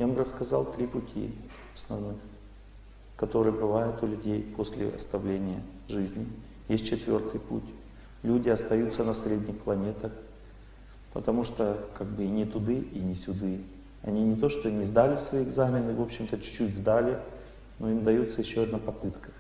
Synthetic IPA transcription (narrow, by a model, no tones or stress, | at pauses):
jabɨɾəskɐzɑ̰lˠt̪ɾʲipʊtʲʰḭ | ɐsnɐ̰vnɨx | kɐt̪o̞ɾɨjəbɨvajʊt̪ʊlʲʉdʲejpʰo̞sʲlʲɪ̰ɐ̰st̪ɐvlʲenʲɪjə̰ | ʐɨzʲnʲɪ | jesʲt̚ʲt͡ɕːɪt̪vʲo̞̰rt̪ɨjpṵtʲ | lʲudʲɪɐst̪ɐjut̪sənɐsɾʲedʲnʲɪxplˠɐnʲe̞t̪əx | pət̪ɐmuʂt̪okaɡ̚bɨnʲɪt̪ʊd̪ɨʔinʲɪsʲʊd̪ɨ | ɐ̰nʲinʲɪt̪o̞ʂt̪onʲɪzd̪alʲɪsvɐiɪɡzamʲɪnɨvo̞pɕːɪmt̪ət͡ɕʊ̥t͡ɕːutʲzd̪alʲɪ | no̞imd̪ɐjut̪səjɪɕːoɐd̪napɐpɨt̪kə̥